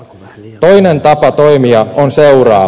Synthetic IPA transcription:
t̪o̞jnent̪ɑpɑt̪o̞jmiɑonse̞urɑː

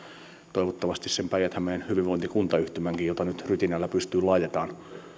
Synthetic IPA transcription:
t̪oiʋot̪ːɑʋɑst̪issempæijæt̪hæmenhyʋiʋʋoint̪ikunt̪ɑyht̪ymæŋkijjot̪ɑnyt̪ryt̪inælːæpyst̪yːlɑit̪et̪ɑːn

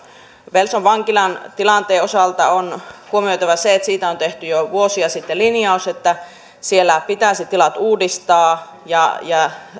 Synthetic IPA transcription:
ʋelsoʋʋɑŋkilɑnt̪ilɑnt̪eːosɑlt̪ɑonhuomiojt̪ɑʋɑseet̪siːt̪æont̪eht̪yjoʋuosiɑsit̪ːelinjɑuset̪ːæ | sielːæpit̪æˑːsit̪ːilɑt̪uːdist̪ɑː | jɑjɑ

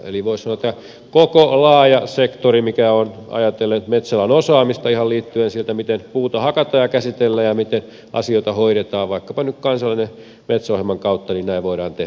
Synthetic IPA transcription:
ḛliʋoissɑnot̪ːɑ | kokolɑːjɑsekt̪orimikæonɑ̰jɑt̪elːet̪met̪sælɑnosɑːmist̪ɑihɑlliːt̪ːyensielt̪æmit̪enpuːt̪ɑhɑkɑt̪ɑːjɑkæsit̪elːæjɑmit̪en | ʔɑ̰sioit̪ɑhoiɾet̪ɑːʋʋɑikːɑpɑnykkɑnsɑlːˑine | met̪sohelmɑŋkɑut̪ːɑninnæiʋʋoiɾɑːnt̪eh

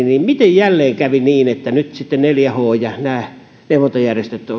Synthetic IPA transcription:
niːmmit̪ejjælːeːŋkæʋiniːnet̪ːænyt̪sit̪ːenneljæhoːjɑnæː | neuʋˑot̪ojærjest̪et̪ːo

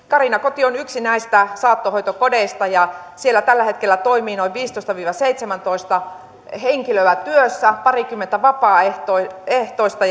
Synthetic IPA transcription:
kɑrinɑkot̪ionyksinæist̪æsɑːt̪ːohoijt̪okodeist̪ɑjɑ | sielːæt̪ælːæhet̪kelːæt̪oimiːnoiʋʋiːst̪oˑist̪ɑʋiːʋɑseit̪semænt̪oist̪ɑ | heŋkiløæt̪yøsːæpɑrikymːent̪æʋɑpɑːet̪oeht̪oist̪ɑ

